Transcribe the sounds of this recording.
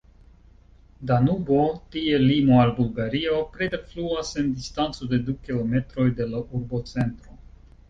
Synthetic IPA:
danubo̞tie̞limo̞albulɡaɾio̞pɾedefluase̞ndistant͡so̞de̞dukilo̞me̞tɾo̞jde̞laʔuɾbo̞t͡se̞ntɾo̞

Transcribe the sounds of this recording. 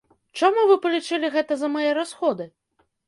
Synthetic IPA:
t͡ʂamuvɨpɐlʲit͡ʂɨlʲiɣɛt̪ɐzɐmajɛɾasxɔd̪ɨ

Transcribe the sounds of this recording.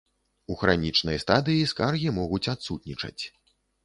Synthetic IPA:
uxɾanʲit͡ʂnɐjst̪ad̪ɨjiskarɣʲimɔɣut͡sʲat̪sut̪̚nʲit͡ʂɐ̰t͡sʲ

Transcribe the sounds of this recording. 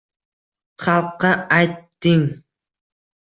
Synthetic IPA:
χɑlˠqːɑɑjt̪ːɪŋ

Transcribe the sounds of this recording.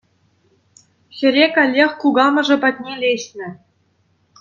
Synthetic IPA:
ɕʲɘ̆ɾʲekʲɑlʲːexʲkuɡɑmɤ̆ʐɤ̆pɑt̪̚ʲnʲelʲeɕnʲɘ̆

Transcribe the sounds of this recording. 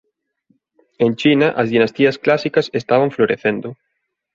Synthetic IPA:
ent͡ʃinɐʔɐzðinɐst̪iɐsklasikɐsest̪aβɐɱfloɾeθend̪ʊ

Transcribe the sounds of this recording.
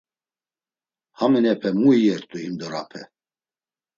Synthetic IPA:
hamɛnɛpʰɛmuiɛɾt̪ʼuhimd̪ɔɾapʰɛ

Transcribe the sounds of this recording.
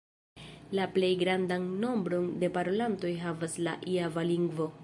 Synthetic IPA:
laple̞jɡɾandanːo̞mbɾo̞nde̞paɾo̞lanto̞jɦavasla̰ʔiavaliŋɡvo̞

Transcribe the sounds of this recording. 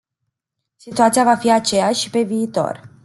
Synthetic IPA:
sit̪uat̪sijavafiat͡ʃe̞jaʃipe̞viːt̪o̞̰r

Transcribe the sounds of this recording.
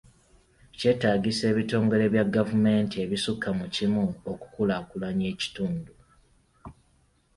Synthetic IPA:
ce̞ːtaːɡise̞ːβito̞ːŋɡe̞le̞βjaɡːavume̞ːntie̞βisukːamucimuoku̥kulakulaɲe̞ːci̥tuːndu

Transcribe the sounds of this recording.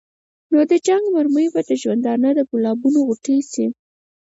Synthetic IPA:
nod̪əd͡ʒaŋɡmaɾməjbad̪əʒwand̪ɑnad̪əkulɑbunoɣuʈəsi

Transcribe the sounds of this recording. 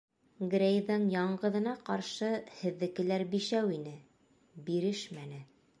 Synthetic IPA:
ɡrʲejðɤɴjɑɴɢɤ̆ðɤ̆nɑqɑɾʃɤhɘ̆ðːɘ̆kɘ̆læɾbiʃæwinɘ | biɾɘʃmænɘ

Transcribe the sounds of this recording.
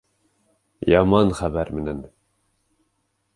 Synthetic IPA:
jɑmɑnχæbæɾmɘnæn

